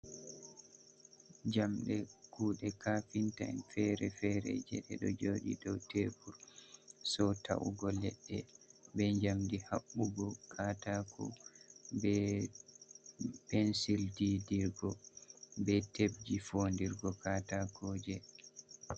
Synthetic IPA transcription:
d͡ʒamɗɛkuːɗɛkafinta̰nfɛɾɛfɛɾɛ̰d͡ʒɛ̰ɗɛɗɔ̰d͡ʒoːɗḭdɔwtebuɾsɔtʰa̰wṵɡɔlɛɗːɛbɛɲd͡ʒamdihaɓːuɡɔkʰatakʰɔ̰bɛ | pɛnsildidiɾɡɔbɛteb̚d͡ʒifondiɾɡɔkaːtakʰɔːd͡ʒɛ

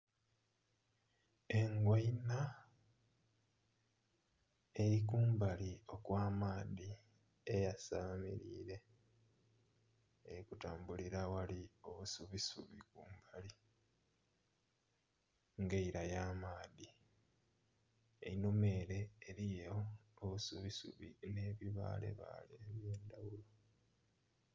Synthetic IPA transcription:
e̞ŋɡwajina | e̞ɾik̬uːmbalio̞kwaːmaːði | ejasaːmḭɾḭːɾe̞ | eɾikutaːmbuliɾawalio̞βusuβisuβikuːmbali | ŋɡeiɾajaːmaːði | ḛinome̞ːɾe̞ːɾijo̞ːβusuβisṵβine̞ːβiβa̰ːle̞̰βa̰lieβje̞ːndawulo

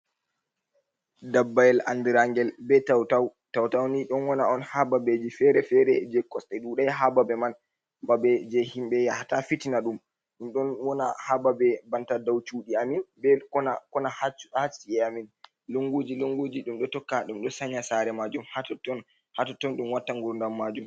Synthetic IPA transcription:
dabːajɛla̰ndiɾaŋɡɛlbɛtawtaw | tawtawniɗɔnwɔnaɔnhababed͡ʒifɛɾɛfɛɾɛd͡ʒɛkːɔstɛɗuɗajɦababɛman | babɛd͡ʒɛhimɓɛjahatafitinaɗum | ɗumɗɔnwɔna̰hababɛbantadawt͡ʃuɗiaminbɛkɔnakɔnaht͡ʃhat͡ʃːiɛamin | loŋɡod͡ʒiloŋɡod͡ʒiɗumɗɔtɔkːaɗumɗɔsaɲːasaɾɛmad͡ʒumhatɔtɔn | hatɔtɔnɗumwatːaŋɡuɾndamːad͡ʒum

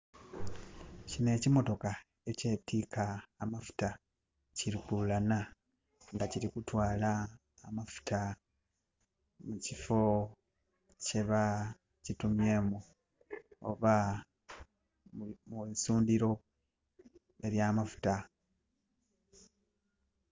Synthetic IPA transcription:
cine̞ːcimo̞to̞ka | e̞ce̞ːtiːkaːmafu̥ta | ciɾikulana | ŋɡaciɾikutwaːlaː | mafu̥tʰa | mucifo̞ | ce̞βa | citumje̞mu | o̰βa | musuːndiɾo̞ | e̞ɾjaːmafu̥ta

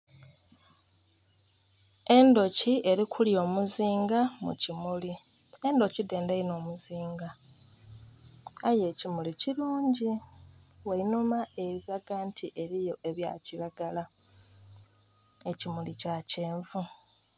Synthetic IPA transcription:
e̞ndo̞cie̞ɾikʰuljo̞ːmuziːŋɡamṵcimulie̞ndo̞cide̞ːndeino̞ːmuziːŋɡa | aje̞cimuliciɾuːɲɟi | wainumae̞βiβaɡaːntʰiʔe̞ɾijo̞ʔe̞βja̰ciβaɡala | ecimulicace̞ːɱvu

